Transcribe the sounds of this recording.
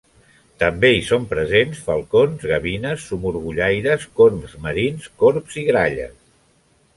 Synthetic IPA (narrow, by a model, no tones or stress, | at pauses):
t̪əmbeisompɾəzensfəlˠkonzɣəβinəsːumuɾɣuʎajɾəskoɾmzməɾinskoɾpz̥iɣɾaʎə̰s